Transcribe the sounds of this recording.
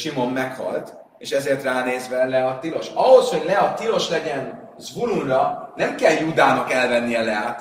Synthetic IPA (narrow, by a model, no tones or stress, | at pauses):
ʃimo̞mːɛkhɒ̰lt̪ | eːʃɛzeːrt̪raːneːzʋɛlɛɒt̪ilo̞ʃɒɦo̞sho̞ɟlɛɒt̪ilo̞ʃlɛɟɛn | zvuɾunrɒnɛmkɛljuːd̪aːnɒkɛlvɛnːijɛlɛaːt̪